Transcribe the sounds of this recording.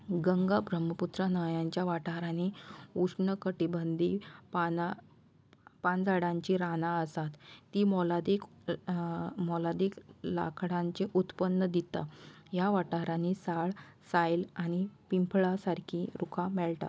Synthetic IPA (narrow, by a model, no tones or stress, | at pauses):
ɡəŋɡabɾəməput̪ɾanajãɲt͡ɕjaʋaʈaɦɾaniuʂɳəkəʈibənd̪iːpana | pand͡zaɽãɲt͡ɕiɾanãəsat̪ːimɔlad̪ek | mɔlad̪ekla̰kʰɽãɲt͡ɕeʔut̪pənːəd̪it̪a̰jaʋaʈaɦɾãnisaɭsajlañipimpʰɭasaɾkʰĩːɾukʰamɛɭʈ̪a̰